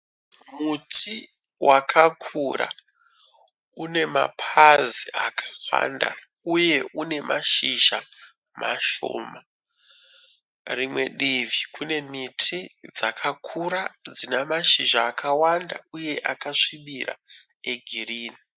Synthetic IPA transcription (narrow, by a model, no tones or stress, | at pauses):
mutʰi | wʔakʰakʰuɾa̰ | une̞ma̰pʰazia̰kʰawa̰nda̰ | uje̞ʔune̞maʃiʒa | maʃo̰ːma | rimwe̞ɗivikune̞mitʰid͡zakʰakʰuɾad͡zinamaʃiʒaːkʰawanda̰uje̞ʔakaʂiɓiɾa̰ | eɡʱiriːni